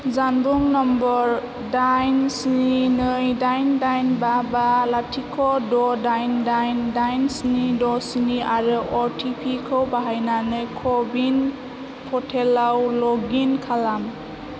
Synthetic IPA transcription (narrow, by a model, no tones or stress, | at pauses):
zanbuŋnɔmbɔɾ | dajnsininɯjdajndajnbabalatʰikʰɔdɔdajndajndajnsinidɔsiniʔaɾɯʔɔɾtʰipʰikʰɯwbaɦajnanɯjkʰɔbin | pʰɔtʰelawlɔɡinkʰalam